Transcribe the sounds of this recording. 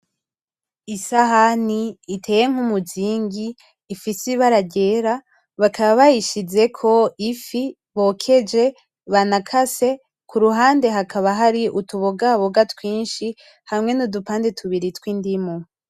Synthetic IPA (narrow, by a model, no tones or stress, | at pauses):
isaɦaniːtʰe̞ːje̞ŋ̥humuziːŋɡiː | fisiβaɾaɟe̞ːɾa | βakʰaβaβajiʃize̞kʰo̞ifi | βo̞kʰe̞d͡ʒe̞ | βanakʰase̞ | kʰuɾuɦaːnde̞ɦakaβaɦaɾiʔutuβoɡaβoɡatwiːnʃi | hamŋe̞nudupaːndetʰuβiɾitwindimo